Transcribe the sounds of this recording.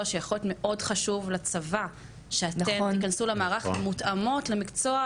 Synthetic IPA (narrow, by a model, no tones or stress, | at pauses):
aʃejaχolotme̞ʔo̞dχaʃuvlat͡sava | ʃeatnemt̪ikansulemaːʁaχmutamo̞tlemikt͡so̞a